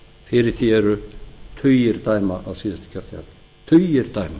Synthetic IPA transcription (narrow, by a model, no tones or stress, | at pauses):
fɪɾɪɾ̥θjɛɛɾʏt̪ʰʏɥjɪɾt̪aːjmaʔawsɪːðɪst̪ɪ̥cʰœɾ̥t̪ja̰n | t̪ʰœjɪɾ̥t̪aːjma